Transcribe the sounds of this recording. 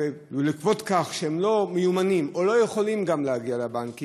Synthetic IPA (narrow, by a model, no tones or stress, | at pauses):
e | likvo̞t̪kaχʃehemlo̞mejumanimolo̞jeχo̞limɡamlehaɡialabanki